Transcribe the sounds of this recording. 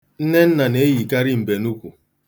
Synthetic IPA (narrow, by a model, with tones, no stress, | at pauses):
n̩˦ne˦n̩˦na˨ne˨˦ji˨ka˦ɾɪ˦m̩˨be˨nu˦kʷu˨